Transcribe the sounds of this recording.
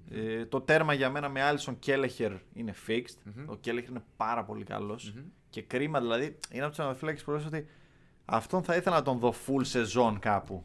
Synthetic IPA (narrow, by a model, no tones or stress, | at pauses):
et̪o̞t̪e̞ɾmɐʝɐme̞nɐmeɐlisoce̞leçe̞ɾine̞fikst̪o̞̰ce̞leçeɾinepɐɾɐpo̞likɐ̰lo̞sce̞kɾimɐðilɐðiineɐpt̪osnɐðofilɐkcispoɾs̬ot̪i | ɐ̰ft̪o̞nθɐiθe̞lɐnɐt̪o̞nðo̞fulse̞zo̞nkɐpu